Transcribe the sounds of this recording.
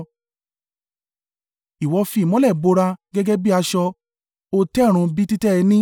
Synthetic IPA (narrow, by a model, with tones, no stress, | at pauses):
i˨wɔ˨˧fi˧˨mɔ̃˨˦lɛ˦˨ɡ͡bo˧ɾa˧ɡɛ˦ɡɛ˦bi˦a˧ʃɔ˧ | o˧tɛ˦˨ɾ̃ũ˧bi˦ti˦tɛ˦ɛ˧nĩ˦